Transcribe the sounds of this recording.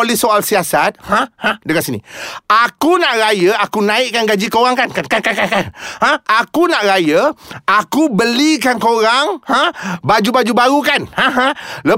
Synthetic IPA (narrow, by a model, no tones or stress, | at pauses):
olɛhsoalsiasat̪̚hãhãdəkat̪sinḭakunaʔɾajəakunãɪʔkanɡad͡ʒikowaŋkankankakakakanhãakunaʔɾajəakubəlikankoɾaŋhãbad͡ʒubad͡ʒubaɾukanhãɦãlə